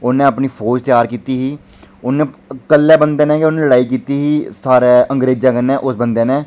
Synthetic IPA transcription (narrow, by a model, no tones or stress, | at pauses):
ʊnẽːəpniːpʰoːd͡ʒt̪ɪjaːɾkiːt̪iːɦiː | ʊnẽːkəlːɛːbənd̪eːnẽːkeʊnẽːləɽaːiːk̬iːt̪iːɦiːsaːɾeːʔə̃ŋɡɾeːd͡ʒãːkənːɛ̃ːʔʊsbənd̪eːnẽː